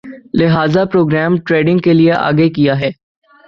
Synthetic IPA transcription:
lɪɦaːzapɾoːɡɾɛːmʈɾeːɖɪ̃ŋɡkelieʔa̰ːɡekijaɦɛː

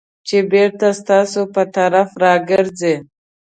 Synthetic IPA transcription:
t͡ʃebeɾt̪ast̪ɑsopət̪aɾafɾɑɡɪɾd͡ze

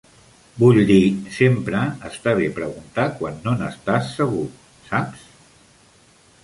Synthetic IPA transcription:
buʎd̪isempɾəəst̪aβ̞epɾəɣunt̪akwanːonəst̪asːəɣu | saps

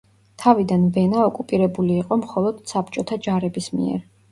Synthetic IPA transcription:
t̪ʰavid̪anvɛnaɔkʼupʼiɾɛbuliːqʼɔmχɔlˠɔd̪̥sapʰt͡ʃʼɔt̪ʰad͡ʒaɾɛbismḭɛ̰ɾ

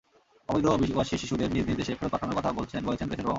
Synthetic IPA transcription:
ɔbojd̪ɾoobioaʃiʃiʃud̪eɾniɾniɾd̪eʃekʰeɾopaʈʰanoɾkɔt̪ʰabolt͡ɕʰenbolet͡ɕʰenɾeʃʰeɾo

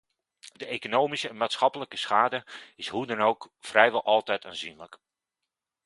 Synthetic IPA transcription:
dəʔekonowmisəɛnmaːtsχɑpələkəsχaːdəɪshudɛnowkfrɛjʋɑlˠʔɑlˠtɛjtʰaːnzinlək

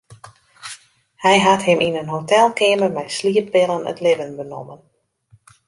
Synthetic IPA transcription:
hɛjɦathɪminənɦotɛlˠkɪəməmɛjsliəp̚bɪlˠənə̰tlɪvənbəno̰mən

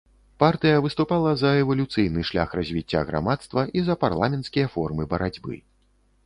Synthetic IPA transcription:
part̪ɨjɐvɨst̪upalˠɐzɐɛvɐlʲut̪sɨjnɨʂlʲa̰xrɐzʲvʲit͡sʲːa̰ɣɾa̰mat̪st̪vɐʔizɐparlˠamʲɛnt̪skʲijɐfɔrmɨbɐɾad͡zʲbɨ̰

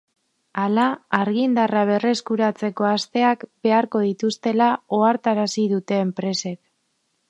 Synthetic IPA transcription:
alaːɾɣ̞ind̪araβ̞e̞re̞skuɾat͡se̞ko̞ast̪e̞akbe̞aɾko̞ð̞it̪ust̪e̞lao̞aɾt̪aɾasiðut̪e̞ːmpɾe̞se̞k

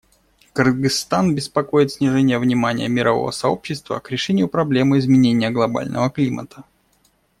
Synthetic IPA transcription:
kɨrɡɨst̪anbʲɪspɐko̞jɪt̪sʲnʲɪʐɛnʲɪjəvnʲɪmanʲɪ̰jə̰mʲɪɾɐvo̞̰və̰sɐo̞̰pɕːɪst̪və̰kɾʲɪʂɛnʲɪjʊpɾɐblʲe̞mɨɪzmʲɪnʲenʲɪjəɡlˠɐba̰lʲnʔə̰vəklʲimʔə̰t̪ə

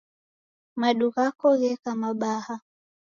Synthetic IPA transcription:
maɗuɣakɔɣɛkamaɓaha

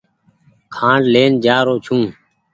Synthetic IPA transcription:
kʰãːɳɖleːnd͡ʒaːɾoːt͡ʃʰũː

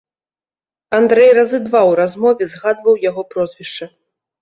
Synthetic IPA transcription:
and̪ɾɛjrɐzɨd̪vawɾazmɔvʲɛzɣad̪vɐwjaɣɔpɾɔzʲvʲiʂt͡ʂɨ

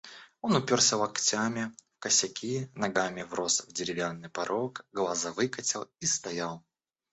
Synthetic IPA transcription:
ɔnupʲɔrsʲɐwakt͡sʲamʲifkɐsʲakʲʰinaɡamʲivrɔsvd͡zʲɪɾʲɪvʲjanːɨpaɾʔɔkɣlˠazavɨkɐt͡sʲɛwˠist̪ajaw

